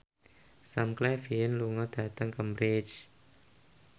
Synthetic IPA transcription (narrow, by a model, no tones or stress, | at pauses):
samklɛfiənluŋɔd̪̥ä̤t̪əŋkəmbɾɪd͡ʒ